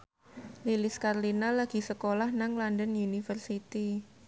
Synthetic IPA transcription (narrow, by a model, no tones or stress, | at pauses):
lilɪskarlinalaɡ̥i̤səkolahnaŋlandənunifərsit̪i